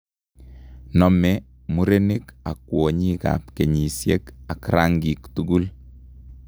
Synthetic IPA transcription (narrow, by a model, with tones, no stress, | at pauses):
nɔ˨mɛ | mu˦ɾe˦ni˦ka˨kːwo˨ɲi˦ka̰pke˨ɲi˨sje˦ka˨kɾaŋɡi˨ktuɡu˦l